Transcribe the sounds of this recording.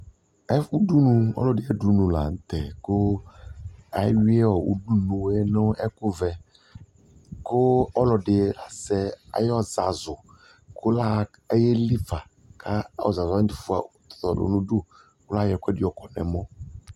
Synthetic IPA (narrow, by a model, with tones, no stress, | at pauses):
ɛ˦u˦du˦nũ˨ɔ̰˦lɔ˨dɪ˨˦ɛ˦du˦nũ˨la̰˨ŋ̩˦t̪ɛ˨ko˦ | a˨˦wi˦ɛ˦ɔ˨ṵ˦du˦nũ˨e˦nõ˦ɛ˦kʊ˦vɛ˨ | ko˦ɔ˦lɔ˨ɖɪ˨˦la˨sɛ˦a̰˨jɔ˦za˨zʊ˨ | kʊ˦la˦ | e˦je˦li˦fa˨ | kʰa˦ɔ̰˨za˨za˨˦di˨fu˦a̰˨t̪ɔ̥˨t̪ɔ˨do̰˨nũ˦ɖu˦ | kʊ˦la˦jɛ˨kɛ˦di˦ɔ˨kɔ˨nɛ̰̃˨mɔ̃˦